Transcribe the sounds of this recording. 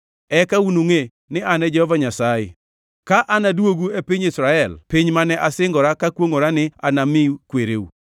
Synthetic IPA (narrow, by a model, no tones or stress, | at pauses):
ɛkaunuŋe | nɪanɛd͡ʒɛhɔvaɲasajɪ̰ | kaʔanadwoɡuepɪɲɪsɾaɛlpɪɲmanɛʔasɪŋɡɔɾakakwoŋoɾanɪa̰namɪukweɾeṵ